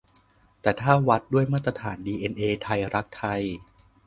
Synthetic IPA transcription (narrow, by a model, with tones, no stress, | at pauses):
t̪ɛː˨˩t̪ʰaː˥˩wa˦˥t̪̚du˥˩əjmaː˥˩t̪ɾa˧t̪ʰaː˩˦ndiː˧ʔeː˧nʔeː˧t̪ʰa˧jɾa˦˥k̚t̪ʰa˧j